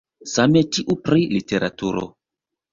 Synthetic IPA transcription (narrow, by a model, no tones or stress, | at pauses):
sametiʔupɾiliteɾʔatuɾo̰